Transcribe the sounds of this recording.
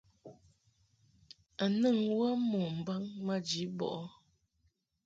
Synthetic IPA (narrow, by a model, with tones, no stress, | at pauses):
a˨nɨ˦˨ŋwə˦mɔ˨m̩˨ba˦ŋmə˦d͡ʒi˨˦bɔ̰˨ʔɔ˦